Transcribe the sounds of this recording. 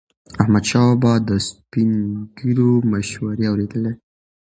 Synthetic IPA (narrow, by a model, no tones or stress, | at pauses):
ahmad̪ʃɑbɑd̪əspinmɡiɾoməʃwaɾeawɾed̪əle